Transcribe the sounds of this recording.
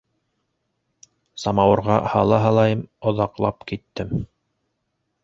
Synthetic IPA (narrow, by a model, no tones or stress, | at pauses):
sɑmɑwɤ̆ɾʁɑhɑ̰lˠɑɦɑlˠɑjɤmŏðɑqlˠɑpkit̪ːɘm